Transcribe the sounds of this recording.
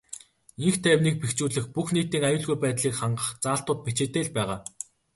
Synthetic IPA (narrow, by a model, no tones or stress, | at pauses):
iŋxt̪ʰæːwniːk̚pekt͡ɕuːɮɘ̆xpuxniːt̪iːŋajʊːɮɣujpæːt̪ɮiːkχaɴɢə̆χt͡saːɬt̪ʊːt̪̚pit͡ɕeːt̪eːɮpæːʁaː